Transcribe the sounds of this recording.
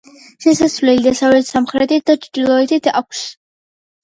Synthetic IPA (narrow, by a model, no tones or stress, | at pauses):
ʃɛsasvlɛlid̪asavɛt̪samχɾɛt̪ʰit̪̚d̪at͡ʃʰd̪ilˠɔɛt̪ʰit̪ʰa̰kʷʰs